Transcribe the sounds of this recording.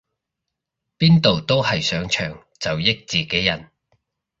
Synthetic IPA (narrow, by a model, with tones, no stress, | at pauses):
piː˥nt̪o˨wt̪o˥whɐ˨jsœː˨˥ŋt͡ʃʰœː˨˩ŋ | t͡sɐ˨wjɪ˥k̚t͡siː˨ke˨˥jɐ˨˩n